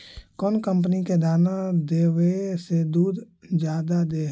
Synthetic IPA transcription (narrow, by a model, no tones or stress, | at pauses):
kɔːnkə̃mpniked̪aːnad̪eːwesed̪uːd̪ | d͡ʒjaːd̪ad̪eː